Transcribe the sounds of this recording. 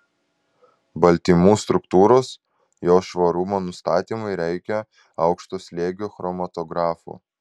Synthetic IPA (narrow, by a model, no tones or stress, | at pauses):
bɐlʲˑt̪ʲiːmuːst̪ɾʊkt̪uːɾoːs | joːʃʋɐɾʊmonʊst̪ɑːt̪ʲiːmɐɪɾʲɛɪkʲɛ | ɐʊkʃt̪oːsʲlʲeːɡʲoːxɾɔmɐt̪ɔɡɾɑːfṵː